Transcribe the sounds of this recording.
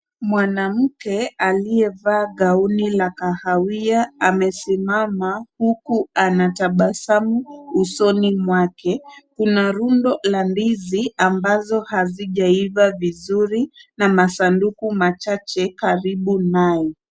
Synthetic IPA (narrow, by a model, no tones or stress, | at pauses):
mwanam̩kɛaliɛvaːɠaunilakahawiaamɛsimamahukuanataɓasamuːsɔnimwakɛkunaɾundɔlandiziambazɔhaziʄaivavizuɾinamasandukumat͡ʃat͡ʃɛkaɾiɓunajɛ